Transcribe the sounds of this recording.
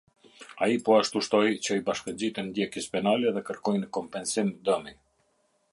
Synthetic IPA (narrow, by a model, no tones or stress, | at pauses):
aipɔaʃt̪uʃt̪ɔjt͡ɕəibaʃkəɲd͡ʑit̪ɛnd̪jɛkəspɛnalɛðɛkəɾkɔjnəkɔmpɛnsimd̪əmi